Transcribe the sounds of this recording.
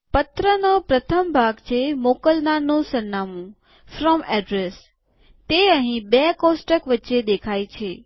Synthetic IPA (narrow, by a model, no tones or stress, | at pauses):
pət̪ɾənopɾət̪ʰəmbʱaɡt͡ʃʰemokəlnanũsəɾːamũ | fɾɔmɛɖɾes | t̪eəɦĩbekosʈəkʋətːʃed̪ekʰajt͡ʃʰe